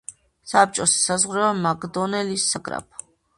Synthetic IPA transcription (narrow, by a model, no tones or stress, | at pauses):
sap̚t͡ʃʼɔssazʁɾɛamaɡd̪ɔnɛlisːaɡɾa̰p̚ʰ